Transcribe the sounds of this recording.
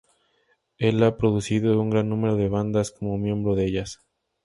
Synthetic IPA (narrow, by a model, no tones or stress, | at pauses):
e̞lapɾo̞ðusiðouŋɡɾanːũme̞ɾoðe̞β̞and̪asko̞momjẽ̞mbɾo̞ðeeʝas